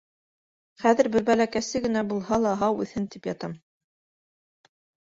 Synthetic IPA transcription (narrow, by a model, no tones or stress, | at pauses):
χæðɘ̆ɾbɘɾbælækæsɘɡɘ̆næbulˠhɑlˠɑɦɑwʉ̰θhɘnt̪ipjɑt̪ɑm